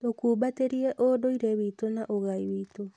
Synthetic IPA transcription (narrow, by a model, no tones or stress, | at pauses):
okuːbateɾiɛʔodoiɾewitonaʔoɣaiwiːto